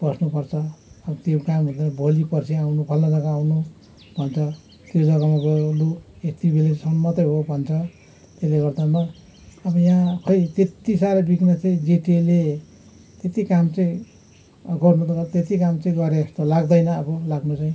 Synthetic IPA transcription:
bʌsnupʌrt͡sʰʌʌbʌt̪jokambʱʌd̪anabʱolipʌrsʰiawnupʰʌlnʌd͡zʌkãawnu | bʱʌnt͡sʰʌ | t̪jolʌɡamaɡoluk | et̪ibʱelesʌnmːʌt̪ʌjɦobʱʌnt͡sʰʌ | t̪eleɡʌrd̪ama | ʌbʌjãkʰʌjt̪et̪isaɾʌbiknʌt͡sãĩd͡zeʈele | t̪et̪ikamt͡sʌĩ | ɡʌrnut̪ʌat̪et̪ikamt͡sʌĩɡʌɾeest̪olaɡd̪ʌjnʌːbʌlaɡnut͡saĩ

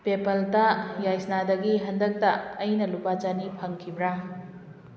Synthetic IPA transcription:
pepɐltajajsnadɐɡiɦɐndɐk̚tɐːjnɐlupad͡ʒanipʰɐŋkʰibɾa

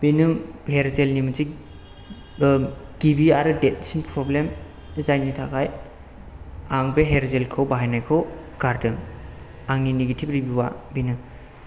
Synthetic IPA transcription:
b̥enɯŋheɾzelnimɯzi | ɡ̥ibiaɾɯdet̚sinpʰɾɔblem | zajnitʰakʰaj | aŋbeɦeɾzelkʰɯwbaɦajnajkʰɯw | ɡ̥aɾdɯŋ | aŋnineɡetʰip̚ɾibiwa̰binɯŋ

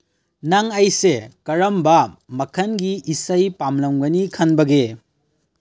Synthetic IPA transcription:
naŋɐjsekɐɾɐmbɐmɐkʰɐnɡiisajpamlɐmɡɐnikʰɐnbɐɡe

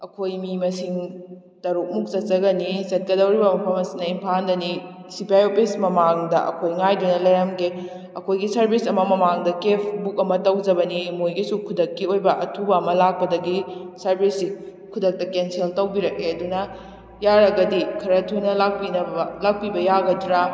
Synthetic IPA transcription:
ɐkʰojmimɐsiŋ | tɐɾuk̚muk̚sɐt̚t͡ʃɐɡɐnisɐt̚ɡɐdɐwɾibɐmɐpʰɐmɐsinɐimpʰandɐni | sipʰajopʰismɐmaŋdɐ̰ʔɐ̰kʰojŋajdunɐlɐjɾɐmɡe | ɐkʰojɡisɐɾbʰisɐmɐmɐmaŋdɐkepʰbukɐmɐtɐwd͡ʒɐbɐnimojɡisukʰudɐkːiojbɐʔɐtʰubɐːmɐlak̚pɐdɐɡisɐɾbʰʱisi | kʰudɐk̚tɐkenseltɐwbiɾɐk̚eɐdunɐ | jaɾɐɡɐdikʰɐɾɐtʰujnɐlak̚pinɐlak̚pibɐjaɡɐdɾa

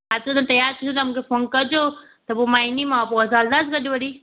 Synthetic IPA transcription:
aːt̪ɾət̪ãt̪ɐjaːɾt̪ʰiot̪ɐmũkʰefonkɐd͡ʑo | t̪ɐpomaːinimãpoɐzaːld̪asʰkɐɗiʋɐɽi

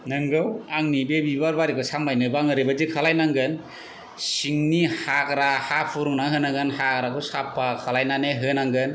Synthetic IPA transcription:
nɯŋɡɯwaŋnibebibaɾbaɾikʰɯsambajnɯbaŋɯɾibazikʰalajnaŋɡɯn | siŋnihakɾahapʰuɾuŋnaɦɯnaɡɯnhakɾakʰɯsapʰːakʰalajnaneɦɯnaŋɡɯn

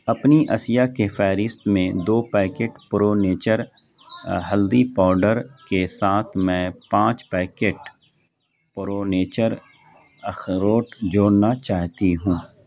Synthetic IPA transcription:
ɐpniʔɐsijakefʰɛːɾɪst̪mẽd̪oːpɛːkeːʈpɾoneːt͡ʃəɾ | ɦəld̪ipɔːɾɖəɾkesaːt̪ʰmɛ̃ːpãːt͡ʃpɛːkeːʈ | pɾoːneːt͡ʃəɾ | əxɾoːʈd͡ʒoːɽnat͡ʃaːɦt̪iɦũː

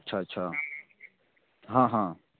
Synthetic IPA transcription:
tːʃʰaɐtːʃʰa | ɦãːɦãː

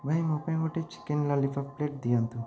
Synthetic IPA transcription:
bʱɐjmupɐjɡoʈit͡ʃi̥kenlɐlipʰɐpleʈ̚d̪ijɐnt̪u

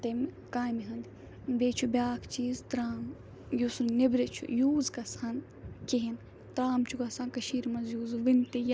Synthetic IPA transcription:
t̪em | kaːmiɦɐnd̪i | bʲeːt͡ʃʰubʲaːkʰt͡ʃiːzt̪ɾaːm | jusunnebɾet͡ʃʰṵjuːzkɐsan | keɦin | t̪ɾaːmt͡ʃʰukɐsʰãːnkɐʃiːɾmɐnzjuːzʋint̪ej

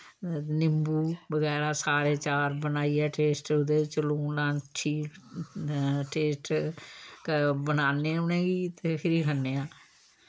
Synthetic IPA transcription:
nɪmbuːbəɡɛːɾaːsaːɾeːt͡ʃaːɾbənaːiːɛːʈeːsʈʊd̪eːt͡ʃloːnãːʈʰiːk | ʈeːsʈ | bənaːnẽːʊnẽːɡiːt̪eːpʰɪɾiːkʰənːeːãː

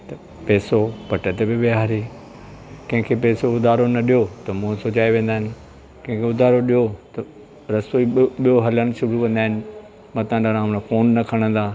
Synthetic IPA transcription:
t̪ɐ | pɛːsopɐʈət̪ebɪbeɦaːɾi | kɐ̃ɦɪ̃ŋkʰepɛːsoʊd̪ʱaːɾonɐɗijot̪ɐmũsʊt͡ɕaːeʋẽːn̆d̪aːɦɪnɪ̆ | kɐ̃ɦɪ̃kʰeʊd̪ʱaːɾoɗijot̪ɐ | ɾɐsoiɓijoɦɐləɽ̃ɪ̆ʃʊɾukɐ̃nd̪aːɦɪnɪ̆ | mãt̪ɐãnaɾãːnfoːnːɐkʰɐɽ̃ə̃nd̪aː

